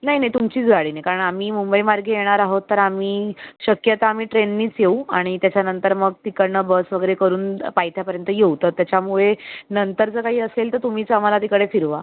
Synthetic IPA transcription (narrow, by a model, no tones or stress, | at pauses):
naɦinaɦit̪umt͡ɕiːt͡sɡaɽiːnaɦjkaɾəɳamiːmumbəimaɾɡʱejeɽ̃aɾaɦot̪ːəɾamiːɕəkjət̪aːmiːʈɾenːiːt͡sjeuaɽ̃it̪jat͡ɕjanənt̪əɾməɡ̚t̪ikəɾɳəbəsʋəɡəɾekəɾuːnpajt̪ʰjapəɾjənt̪əjewt̪ət̪ːjat͡ɕjamuɭenənt̪əɾd͡zəkaɦiːəselt̪əɾt̪um̤iːt͡samalat̪ikəɽefiɾʋa̰